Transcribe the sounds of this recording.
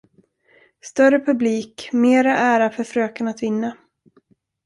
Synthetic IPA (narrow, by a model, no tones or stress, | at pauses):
st̪œrəpʰɵbliːkmeːɾaʔæːɾafœɾfɾøːkənat̪vɪnːa